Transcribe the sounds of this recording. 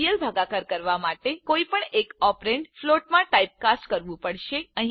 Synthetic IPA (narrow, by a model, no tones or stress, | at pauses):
jəlbʱaɡakəɾkəɾʋamaʈekoipəɳekɔpɾeɳɖfloʈmãʈaip̚kasʈkəɾʋũpəɽʃeəɦĩ